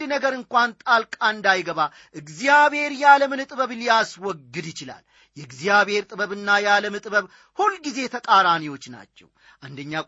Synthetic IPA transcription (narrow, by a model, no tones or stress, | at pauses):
d̪nəɡəɾɨŋkʷant̪ʼalkʼaɨnd̪ajɡəβa | ʔɨɡzijaβhe̞ɾjaləmɨnɨt̪ʼɨβəβlijaswɔɡːɨd̪jɪt͡ʃɪla̰l | jɛɨɡzijaβe̞ɾt̪ʼɨβəβɨnːajaləmɨt̪ʼɨbəβ | hulɡize̞t̪ʰəkʼaɾaniwo̞t͡ʃːna̰t͡ʃːɛ̰w | ʔand̪əɲːa